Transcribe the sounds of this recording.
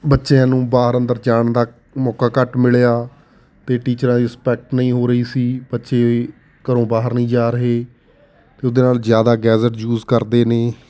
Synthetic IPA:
bətːʃeãːnũːbaːɦəɾənd̪əɾd͡ʒaːɳd̪aː | mɔːkaːkəʈmɪɭjaː | t̪eːʈiːt͡ʃɾãːd̪iːɪspɛːk̚ʈnəĩːɦoːɾəiːsiːbətːʃeː | kəɾõːbaːɦəɾnəĩːd͡ʒaːɾəɦeː | t̪eːʊd̪eːnaːlzjaːd̪aːɡɛːzəʈd͡ʒuːzkəɾd̪eːneː

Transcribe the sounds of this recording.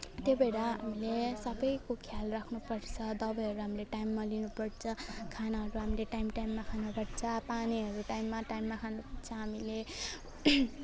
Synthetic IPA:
t̪jebeɾaɦa̰milesʌbʌjkokʰjalrakʰnupʌrt͡sʰʌd̪ʌbʌjɦʌɾuɦamileʈajmːalinupʌɽt͡sʰʌkʰanaɦʌɾuɦamileʈajmʈajmːakʰanaɡʌɽt͡sʰʌpaniɦʌɾuʈajmːaʈajmːakʰanupʌɽt͡sʰʌɦamile

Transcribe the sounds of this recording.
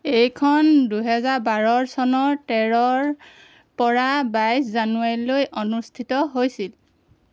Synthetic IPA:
ejkʰɔnduɦɛzaɹbaɹɔɹsɔnɔɹtɛɹɔɹ | pɔɹabajszanuaɹilojʔonustʰitɔɦojsil

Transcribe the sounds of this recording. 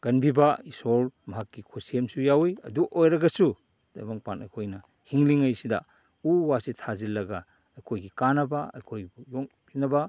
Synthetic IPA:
ɡ̥ɐnbibaisolmɐɦakːikʰosiemsujawijɐ̰duʔojɾɐɡɐsu | d̥a̰jmaŋpanɐ̰jkʰojnɐ | hiŋliŋɐjsidɐ̰ | uwasitʰazilːɐɡa | ɐjkʰojɡikanɐbaɐ̰jkʰojbujoŋ | pʰinɐba

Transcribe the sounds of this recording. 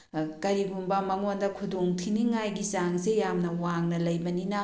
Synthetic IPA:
kɐɾiɡumbɐmɐŋondɐkʰudoŋtʰiniŋajɡisaŋzejamnɐwaŋnɐlɐjbɐninɐ

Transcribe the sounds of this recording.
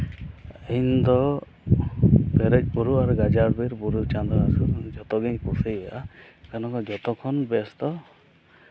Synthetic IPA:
eind̪ɔ | bɛɾɛt͡ʃbuɾuaɾuɡad͡ʒaɾbeɾbuɾut͡ʃand̪ɾɔasud͡ʒɔt̪ɔɡeɲpuseja | kɛnɔkɔd͡ʒɔt̪ɔkʰɔnbɛst̪ɔ

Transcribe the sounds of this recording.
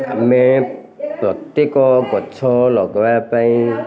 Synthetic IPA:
a̰mɛ | pɾɔt̪ekɔɡɔt͡ʃʰɔlɔɡɔbapaĩ

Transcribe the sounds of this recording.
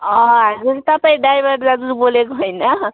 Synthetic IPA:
ʌ̃ɦʌd͡zuɾt̪ʌpaĩɖajbʌɽd͡zad͡zuɾbolekoɦojnʌ

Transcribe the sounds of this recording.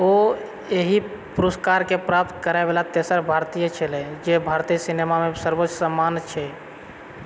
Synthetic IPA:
o | eɦi | puɾoskaɾkepɾap̚t̪kəɾaebelat̪esəɾbʱaɾt̪ijət͡ʃʰɛlɛd͡ʒebʱaɾt̪iəsinemamesəɾbot͡ʃːsəmːant͡ʃʰɛ

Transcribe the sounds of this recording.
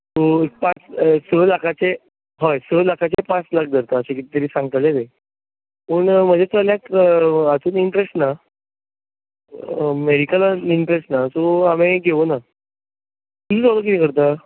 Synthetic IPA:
t̪oek̚pãt͡ssəlakʰat͡se | ɦɔjsəɭlakʰat͡sepãt͡slak̚ʰd̪ʱəɾt̪aːɕekit̪t̪əɾiːsãŋɡt̪alet̪e | pəːɳm̤əd͡ʑet͡saljakat͡suːniɳʈɾesʈna | meɽikalaiɳʈɾesʈnasoameɡʱeʋona | t̪ud͡ʑuːt͡salək̬it̪ĩːkəɾt̪a

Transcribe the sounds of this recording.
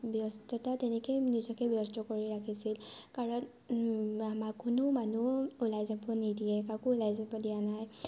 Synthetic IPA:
bjɔstɔtatɛnɛkojnizɔkɛbjɔstɔkoɹiɹakʰisilkaɹɔn | amakʊnʊmanuulajzabɔnidijɛkakʊulajzabɔdijanaj

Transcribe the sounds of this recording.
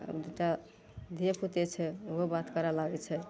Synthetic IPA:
ə̰bd̪uʈa | d̪ʱiepʰut̪et͡ʃʰɛoɦobat̪kəɾalaɡɛt͡ʃʰɛ

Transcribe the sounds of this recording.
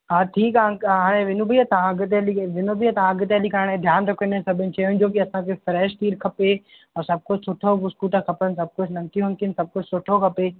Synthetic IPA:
ɦaːʈʰiːkaːɦaːɽ̃ẽʋɪnũbʱiat̪ɐãɐɡt̪eliʋɪnobiat̪ɐãɐɡɪt̪eːlikaːɽ̃ẽd̪ʱjaːnɾɐkʰənesɐbʱɪnɪ̆t͡ɕɐjɦʊ̃n̆d͡ʑoːkiɐsãkʰefɾɛːʃʈ̪iːɾkʰɐpe | ɔːɾsɐb̚kʊt͡ʃsʊʈʰoʊskuːʈakʰɐpəns̬ɐb̚kʊd͡ʑʰnɐ̃ŋk̪ijũɦɐ̃ŋkinsɐb̚kʊd͡ʑsʊʈʰokʰɐpeː

